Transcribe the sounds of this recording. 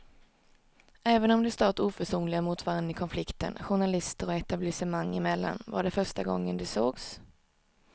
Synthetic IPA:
ʔɛːvənɔmd̪ɛst̪ɑːt̪uːfœʂuːnlɪɡamuːt̪vaɾnːɪkʰɔnflɪkt̪ə̰nɧʊɳalɪst̪əɾɔɛt̪ablɪsɛmaŋːɪmɛlːa̰nva̰ɖɛfœʂʈaɡɔ̰ŋːənd̪ɛsoːɡs

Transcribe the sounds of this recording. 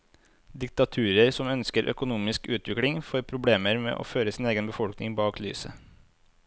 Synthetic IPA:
d̪ɪk̚t̪ɑt̪ʰʉːɾəɾsɔmœnskəɾʔœ̰kʊnuːmɪskʉːt̪ʋɪkɽɪŋfoːɾpʰɾʊbleːməɾmḛːʔo̰ːføːɾəsiːneːɡənbəfɔlknɪŋbɑːkly̰ːsə̰

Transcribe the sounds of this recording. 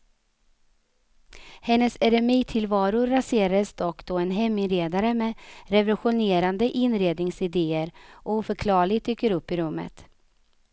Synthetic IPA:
hɛnːəsɛɾɛmiːt̪ʰɪlvɑːɾʊɾːaseːɾad̪əsd̪ɔkːd̪oːɛnɦɛmːɪnɾeːd̪aɾəmɛɾɛvɔlɧʊneːɾand̪əʔɪnːɾeːd̪nɪŋsɪd̪eːəɾʔuːfœɾkʰlɑːɭɪɡt̪yːkːəɾɵpːɪɾɵmːə̰t̪

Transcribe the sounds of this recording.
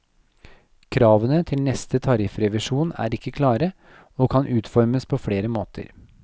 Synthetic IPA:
kʰɾɑːʋənət̪ʰɪlnɛst̪ət̪ʰɑɾɪfɾɛʋɪʂuːnæ̰ːɾɪkːəkʰlɑːɾə | oːkʰɑnʔʉːt̪fɔɾməspʰofɽeːɾəmoːt̪ʰə̰ɾ

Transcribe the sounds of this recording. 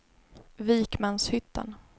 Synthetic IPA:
viːkmanshʏt̪ʰːa̰n

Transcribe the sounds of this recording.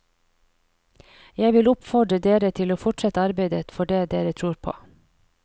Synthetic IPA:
jæɪʋɪlʊpfɔɖɾəd̪eːɾət̪ʰɪloːfɔʈʃɛt̪əɑɾbeɪd̪ət̪fɔɖeːd̪eːɾət̪ʰɾuːɾpʰo̰ː

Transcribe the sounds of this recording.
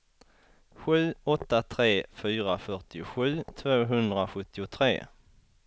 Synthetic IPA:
ɧʉ̟ːɔt̪ːat̪ʰɾeːfyːɾafœʈɪʊɧʉ̟ːt̪ʰvoːɦɵnd̪ɾaɧɵt̪ːɪʊt̪ʰɾḛː

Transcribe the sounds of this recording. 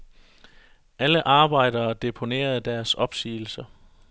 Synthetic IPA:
ʔæləʔɑ̈ːb̥ɑ̈ɪ̰d̥ɐːd̥e̝pʰo̝ne̝̰ːɐð̞̩ˠd̥æɐsɒ̽b̥sḭːl̩sɐ

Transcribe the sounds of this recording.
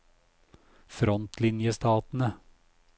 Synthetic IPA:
fɾɔnt̪lɪnjəst̪ɑːt̪n̩ə

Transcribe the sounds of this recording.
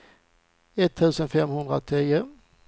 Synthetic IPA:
ɛt̪ʰːʉ̟ːsənfɛmːhɵnd̪ɾat̪ʰɾiːə

